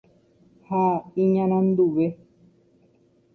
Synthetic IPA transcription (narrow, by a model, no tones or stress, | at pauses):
haĩɲãɾ̃ãnd̪uʋe